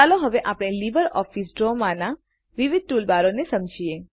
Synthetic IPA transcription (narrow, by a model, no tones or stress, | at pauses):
aloɦəʋeʔapɽ̃elibəɾɔfisɖɾomana | ʋiʋid̪̚tulbaɾonesəmd͡ʒʱie